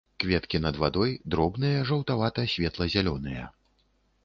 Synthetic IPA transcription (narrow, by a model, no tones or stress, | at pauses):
kvʲɛt̪kʲinɐd̪vad̪ɔjd̪ɾɔbnɨjɐʐɐwt̪avat̪ɐsʲvʲɛt̪lˠɐzʲalʲɔnɨjɐ̰